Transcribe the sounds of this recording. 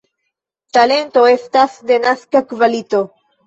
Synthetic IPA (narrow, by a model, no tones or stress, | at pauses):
t̪ale̞nt̪oe̞st̪asd̪enaskakvalit̪o